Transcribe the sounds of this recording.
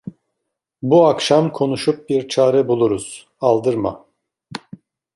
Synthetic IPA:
buakʃamkʰo̞nuʃup̚biɾt͡ʃʰaːɾɛbulˠuɾuz̥ | alˠd̪ɯɾma̰

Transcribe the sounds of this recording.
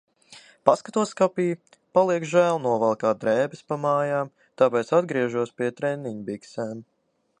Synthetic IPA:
paskat̪uɔskapiː | palˠiɛkʒæːlˠnuɔvalˠkaːd̪ɾɛːbɛspamaːjaːm | t̪aːpɛːt̪sad̪ɡɾiɛʒuɔspiɛt̪ɾɛnːiɲbiksɛːm

